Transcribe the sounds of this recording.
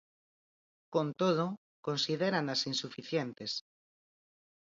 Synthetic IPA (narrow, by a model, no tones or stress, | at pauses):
kõnt̪oð̞o | konsiðeɾanasinsufiθjent̪es